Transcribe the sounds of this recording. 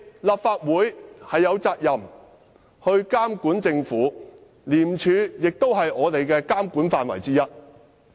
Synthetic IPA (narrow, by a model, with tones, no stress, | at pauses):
laː˨p̚faː˧t̚wuː˨˥jhɐ˨jːɐ˨˧wt͡saː˧k̚jɐ˨m | hɵ˧ɥkaː˥mkuː˨˥nt͡sɪ˧ŋfuː˨˥ | liː˨˩mt͡ʃʰyː˨˧jɪ˨k̚t̪o˥wɦɐ˨jŋɔː˨˧t̪e˨jkɛː˧kaː˥mkuː˨˥nfaː˨nwɐ̰˨˩jt͡siː˥jɐ˥t̚